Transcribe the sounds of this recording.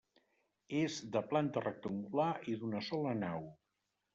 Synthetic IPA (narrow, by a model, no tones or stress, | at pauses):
ezd̪əplant̪ərək̚t̪uŋɡulaiðunəsɔlənaw